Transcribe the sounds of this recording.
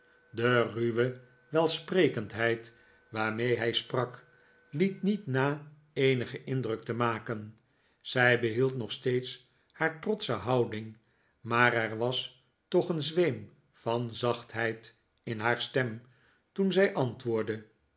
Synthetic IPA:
dəryʋə | ʋɛlˠsprejkəntɦɛjt | ʋaːɹmejɦɛjsprɑk | litnitnaː | ejnəχəʔɪndrɵk̚təmaːkən | z̥ɛjbəɦilˠtnɔχstejts | haːɹtrɔtsəɦɑwdɪŋ | maːrɛɹʋɑs | tɔχənzʋejm | fɑnzɑχtɦɛjt | ɪnɦaːɹstɛm | tunzɛjʔɑntʋʊːɹdə

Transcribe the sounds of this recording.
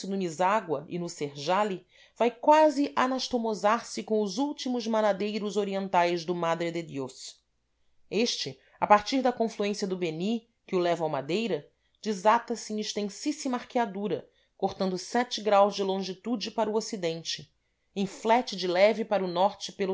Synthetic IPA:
ɪnʊmizaɡwɐɪ̰nʊseɾʒali | v̥ajkwazɪʔanaʃt̪omozaɾsɪkõw̃ʊzuwt͡ʃimʊzmanad̪ejɾʊzoɾiẽnt̪ajzd̪ʊmad̪ɾɪd̪ed̪os | eʃt͡ʃɪ | apaɾt͡ʃiɾd̪ɐkõfluẽsijɐd̪ʊbeni | kɪʊlɛvɐawmad̪ejɾɐ | d͡ʒizat̪ɐsɪẽiʃt̪ẽsisimaχkiad̪uɾɐ | koχt̪ɐ̃nd̪ʊsɛt͡ʃɪɡɾawzd͡ʒɪlõʒit̪ud͡ʒɪpaɾʊosid̪ẽnt͡ʃɪ | ẽflɛt͡ʃɪd͡ʒɪlɛvɪpaɾʊnɔɾt͡ʃɪpelʊ

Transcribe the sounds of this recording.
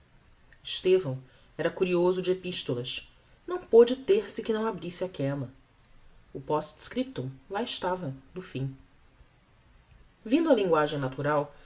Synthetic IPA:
ɪʃt̪evɐ̃w̃ | ɛɾɐkuɾiozʊd͡ʒɪepiʃt̪olɐʃ | nɐ̃w̃pod͡ʒɪt̪eɾsɪkɪnɐ̃w̃abɾisɪakɛlɐ | ʊpɔst̪skɾip̚t̪õlaɪʃt̪avɐd̪ʊfĩ | vĩnd̪ʊɐlĩŋɡwaʒẽj̃nat̪uɾaw

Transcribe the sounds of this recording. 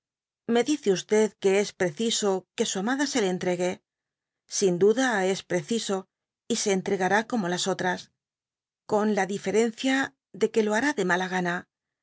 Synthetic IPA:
me̞ðiθeust̪e̞ðke̞e̞spɾe̞θiso̞ke̞suamaðase̞le̞ːnt̪ɾe̞ɣe̞ | sind̪uðae̞spɾe̞θiso̞ | ise̞ːnt̪ɾe̞ɣaɾako̞mo̞laso̞t̪ɾas | ko̞nlaðife̞ɾe̞n̟θja | ðe̞ke̞lo̞aɾaðe̞malaɣ̞ana

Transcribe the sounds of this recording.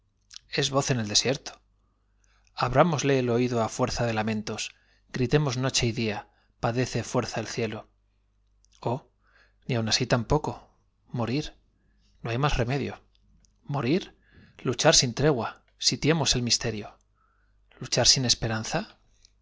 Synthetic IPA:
e̞zβo̞θe̞neld̪e̞sje̞ɾt̪o̥ | aβɾamo̞zle̞ːlo̞iðoafwe̞ɾθaðe̞lamẽ̞nt̪o̞s | ɡɾit̪e̞mo̞zno̞t͡ʃe̞iðia | paðe̞θe̞fwe̞ɾθaelθje̞lo̞ | o̞ | niawnasit̪ampo̞ko̞ | mo̞ɾiɾ | no̞ajmasre̞me̞ðjo̞ | mo̞ɾiɾ | lut͡ʃaɾsint̪ɾe̞ɣ̞wa | sit̪je̞mo̞se̞lmist̪e̞ɾjo̞ | lut͡ʃaɾsine̞spe̞ɾanθa

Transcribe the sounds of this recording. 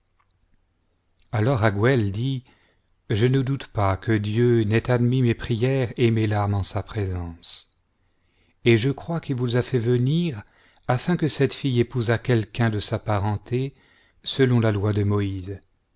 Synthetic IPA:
alɔʁaɡwɛld̪i | ʒənəd̪ut̪pakʰəd̪jønɛt̪ad̪mimepχijɛʁemelaʁmɑ̃sapχezɑ̃s | eʒəkχwakilvuzafɛvəniʁ | afɛ̃kəsɛt̪fijepuzakʲɛlkʲɛ̃d̪əsapaʁɑ̃t̪ʰe | səlɔ̃lalwad̪əmɔiz

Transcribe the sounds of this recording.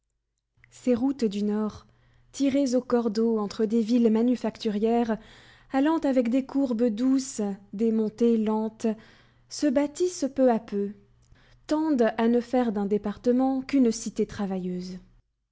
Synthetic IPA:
seʁut̪d̪ynɔʁ | t̪ʰiʁezokɔʁd̪oɑ̃t̪χəd̪evilmanyfakt̪yʁjɛʁ | alɑ̃t̪avɛkd̪ekʰuʁbəd̪usd̪emɔ̃t̪elɑ̃t̪ | səbat̪ispøapø | t̪ɑ̃d̪anəfɛʁd̪ɛ̃d̪epaʁt̪əmɑ̃kynsit̪et̪χavajøːz

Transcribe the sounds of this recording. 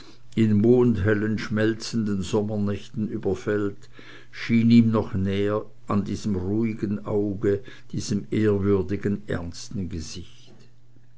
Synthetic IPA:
ɪnmoːndɦɛlənʃmɛlt͡sən̩dənzɔmɐnɛçtn̩yːbɐfɛlt | ʃiːniːmnɔχnɛːə | ʔandiːz̥əmʁuːɪɡənʔaʊɡə | d̥iːz̥əmeːɐvʏɐdɪɡənʔɛ̰ɐnstn̩ɡəz̥ɪç | t

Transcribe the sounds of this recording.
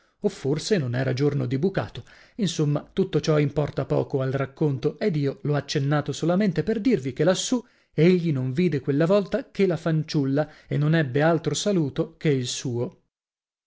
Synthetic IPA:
ofːorsenonɛːɾad͡ʒornod̪ibuka̰ːt̪o | insomːat̪ut̪ːot͡ʃɔimpɔrt̪apɔ̰ːkoalrakːont̪oed̪iːolɔat͡ʃːenːaːt̪osolament̪eperd̪irvikelasːu | eʎːinoɱviːd̪ekwelːavɔlt̪akelafant͡ʃulːaenːonɛbːealt̪ɾosaluːt̪okeilsuːo

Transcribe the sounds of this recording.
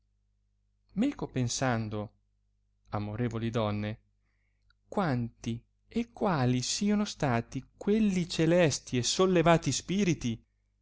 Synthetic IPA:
mɛːkopensand̪o | amoɾeːvolid̪ɔnːe | kwant̪i | ekːwaːlisiːonost̪aːt̪ikwelːit͡ʃelɛst̪iesolːevaːt̪ispiːɾit̪i

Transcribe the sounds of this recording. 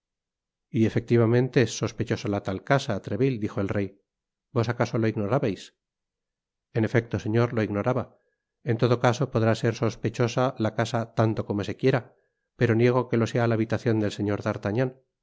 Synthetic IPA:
ie̞fe̞k̚t̪iβamẽnt̪e̞esːo̞spe̞t͡ʃosalat̪alkasat̪ɾe̞βild̪ixo̞elre̞j | bo̞sakaso̞lo̞iɣno̞ɾaβajs | ene̞fe̞k̚t̪o̞se̞ɲo̞ɾlo̞iɣno̞ɾaβa | e̞nt̪o̞ðo̞kaso̞po̞ðɾase̞ɾso̞spe̞t͡ʃo̞salakasat̪ant̪o̞ko̞mo̞se̞kje̞ɾa | pe̞ɾo̞nje̞ɣ̞o̞ke̞lo̞se̞alaːβit̪aθjo̞nd̪e̞lse̞ɲo̞ɾðaɾt̪aɲan

